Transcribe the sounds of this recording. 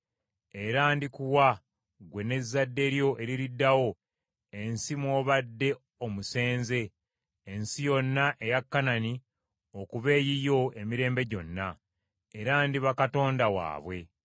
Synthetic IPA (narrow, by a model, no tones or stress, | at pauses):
eɾaːndikuwa | ɡwe̞ne̞zːadːe̞ɾjo̞ʔe̞ɾiɾidːawo̞ | e̞nsimwo̞ːβadːe̞ | omuse̞ːnze̞ː | nsijo̞nːaʔejakːanani | okuβe̞ːjijo̞e̞miɾe̞ːmbe̞ɟo̞nːa | eɾaːndiβakato̞ːndawa̰ːβwe̞